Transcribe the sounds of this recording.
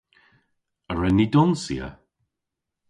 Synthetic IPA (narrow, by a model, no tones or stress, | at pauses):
əɹɛnidɔnsḭə̰